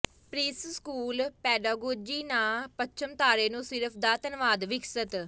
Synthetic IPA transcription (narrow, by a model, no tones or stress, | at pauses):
pɾiːsskuːlpɛːɖaːɡoːd͡ʒiːnãːpət͡ʃəmt̪aːɾeːnũːsɪɾəpʰd̪aːt̪ənʋaːd̪ʋɪksət̪